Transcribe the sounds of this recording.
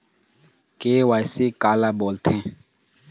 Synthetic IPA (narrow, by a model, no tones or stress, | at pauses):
keːwaːjseːkaːlaːboːlt̪ʰẽː